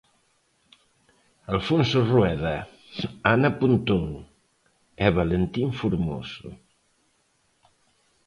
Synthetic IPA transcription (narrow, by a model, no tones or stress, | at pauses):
alfonsurwɛðɐ | anapunt̪oŋ | ɛβalent̪iɱfuɾmo̰sṵ